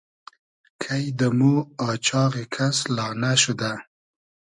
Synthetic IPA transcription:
kʰajd̪əmuɑt͡ʃɑɣekʰaslɑnaʃʊd̪a

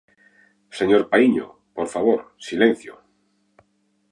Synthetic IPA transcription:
seɲoɾpaiɲo̰ | poɾfaβ̞oɾsilẽn̟θjo̰

